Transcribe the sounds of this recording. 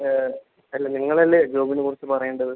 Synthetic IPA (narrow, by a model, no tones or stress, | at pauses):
ɐlːeniŋːɐɭɐlːed͡ʑo̞ːbinɨkurit͡ɕːɨpɐrɐjuɳɖɐðɨ